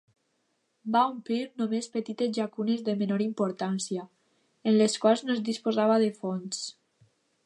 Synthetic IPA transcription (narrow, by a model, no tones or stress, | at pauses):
baumpliɾnomespət̪it̪ezʎakunezðəmenoɾimpoɾt̪ansia | enleskwalˠznoezd̪ispozaβaðefons